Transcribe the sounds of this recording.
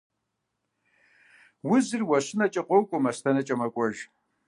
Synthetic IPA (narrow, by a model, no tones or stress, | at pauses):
wʊzɨrwɐɕɪnɐt͡ʃʼɐqʷʼowkʷʼʊmɐstʰɐnɐt͡ʃʼɐmɐkʷʼɔʒ